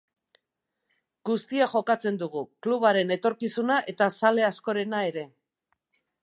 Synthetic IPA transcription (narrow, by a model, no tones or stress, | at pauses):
ɡust̪iaʝo̞kat͡se̞nd̪uɣ̞ukluβ̞aɾe̞ne̞t̪o̞ɾkisunaʔe̞t̪asale̞asko̞ɾe̞nae̞ɾe̞